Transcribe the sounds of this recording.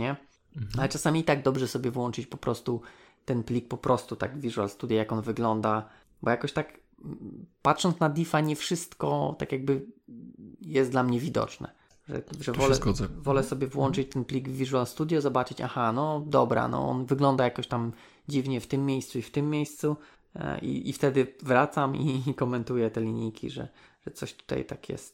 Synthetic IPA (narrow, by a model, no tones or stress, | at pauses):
ɲɛ | alɛt͡ʂasamʲiːt̪aɡ̚d̪ɔbʐɛsɔbʲjɛvwɔnt͡ʂɘt͡ɕpɔpɾɔst̪u | t̪ɛnplʲik̚pɔpɾʔɔst̪ut̪aɡvːʲiʐualst̪ud̪jajakɔnvɘɡlɔnd̪a | bɔjakɔɕt̪ak | pat̪ʂɔnt̪nad̪ʲifaɲɛfʂɘst̪kɔ̰t̪akjaɡ̚bɘ | jɛst̪d̪lamɲɛvʲid̪ɔ̰t͡ʂnɛ̰ | ʐɛ̰ʐɛvɔlɛɡɔzɛvɔlɛsɔbʲjɛvwɔnt͡ʂɘt͡ɕt̪ɛnplʲiɡvːʲiʐualst̪ud̪ʲjɔzɔbat͡ʂɘt͡ɕa̰xanɔd̪ɔbɾa̰nɔ̰ɔ̰nvɘɡlɔnd̪ajakɔɕt̪am | d͡ʑivɲɛft̪ɘmːʲjejst̪suift̪ɘmʲːjejst̪sṵ | ḭift̪ɛd̪ɘvɾat̪samikɔmɛnt̪ujɛt̪ɛlʲiɲijkʲʰḭʐɛ̰ʐ̥ɛt̪sɔɕt̪u̥t̪a̰jt̪akjɛ̰st̪̚